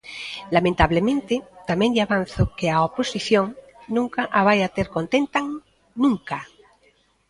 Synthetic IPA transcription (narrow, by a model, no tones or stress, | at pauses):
lamẽnt̪aβlemẽnt̪et̪ameŋʎaβanθokeaoposiθjoŋ | nũŋkaʔaβ̞ajat̪eɾkont̪ent̪aŋ | nũŋka